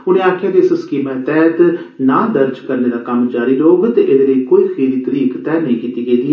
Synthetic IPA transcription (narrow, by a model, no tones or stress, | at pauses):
ʊnẽːaːkʰɪjaːd̪esɪskiːmɛ̃ːt̪ɛːt̪ | naːd̪əɾd͡ʒkəɾneːd̪aːkəmd͡ʒaːɾiːloːɡt̪eːʔed̪eːləikoːiːxʰeːɾiːt̪əɾiːkt̪ɛːnəĩːkiːt̪iːɡeiːd̪iːɛ